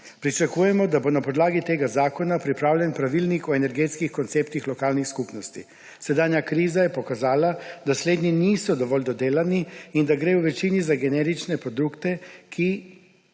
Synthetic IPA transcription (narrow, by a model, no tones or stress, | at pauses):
pɾit͡ʃakuːjɛmɔd̪abonapɔd̪laːɡit̪eːɡazaːkɔnapɾipɾaːwljɛnpɾaʋilnikɔenɛɾɡet̪skixkɔnt̪seːpt̪ixlɔkaːlnixskupnɔst̪ḭ | sɛd̪aːnjakɾiːzajɛpɔkazaːlad̪asleːd̪niniːsɔd̪ɔʋɔld̪ɔd̪eːlaniind̪aɡɾeːwʋɛt͡ʃiːnizaɡɛnɛːɾit͡ʃnɛpɾɔd̪ukt̪ɛkʰi